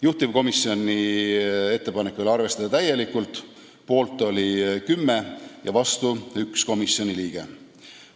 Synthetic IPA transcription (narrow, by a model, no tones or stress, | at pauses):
juht̪ivko̞misːio̞nʲːi | e̞t̪ːe̞pɑne̞kːˑulɑrve̞st̪ɑd̪ɑt̪æjːe̞likːˑult̪ˑ | po̞ːlt̪ːˑo̞lʲikymːe̞jɑvɑst̪uyksko̞misio̞nʲiliːɡ̥e̞̰